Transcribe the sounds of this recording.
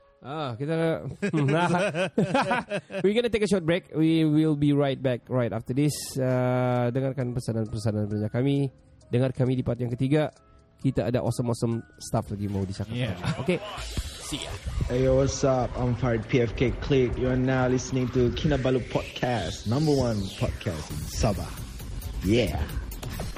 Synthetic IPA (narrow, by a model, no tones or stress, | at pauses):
ʔakit̪a | a | wiɡɔnət̪ekəʃɔt̚bɹek̚wiwilbiɹajt̚bɛk̚ɹajtaft̪ədɪsadəŋarkanpəsanãnpərsanãnpəəɲakami | dəŋarkamidipat̪̚jãŋkət̪iɡa | kit̪aʔadaʔɔsəmɔsə̃mst̪aflaɡimãɦudit͡ʃakatamokesia̰eawɔsapãɪ̃mfaɹd̚pʰiɛfkekʰlik̚juanalisənɪ̃ŋtukʰĩnabalupʰɔd̚kʰasnãmbəwãnpʰɔ̰d̚kʰastḭ̃nsabə̰ | jɛ